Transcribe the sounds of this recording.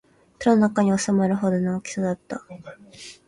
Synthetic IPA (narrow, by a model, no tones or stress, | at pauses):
koɾononakaɲ̟io̞samaɾɯ̟ɦo̞d̪onoːkʲi̥sad̪at̪ːa